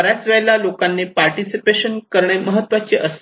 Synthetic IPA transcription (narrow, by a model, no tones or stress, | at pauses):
ɾjat͡sʋɛɭlalokanːepaɾʈisipeɕənkəɾɳ̃eməɦət̪ːʋat͡ɕiːʔəs